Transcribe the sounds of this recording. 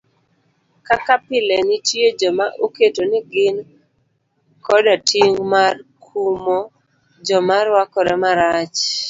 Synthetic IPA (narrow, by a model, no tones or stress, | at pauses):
kakapɪlɛnɪtjed͡ʒɔmaʔoketonɪɡɪn | kɔdatiŋmarkʰumo | d͡ʒɔmarwakɔɾɛmaɾat͡ʃ